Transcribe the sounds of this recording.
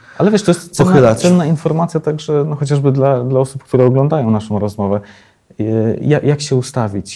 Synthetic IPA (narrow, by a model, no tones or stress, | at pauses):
alɛvʲjɛʂt̪ɔjɛst̪sɔnɛbat̪sɛnːainfɔɾmat̪sʲjat̪aɡʐɛnɔxɔt͡ɕaʐbɘd̪lad̪laɔsup̚kt̪uɾɛɔɡlɔnd̪ajɔ̃w̃naʂɔ̃w̃ɾɔzmɔvɛ | jajakɕɛust̪avʲit͡ɕ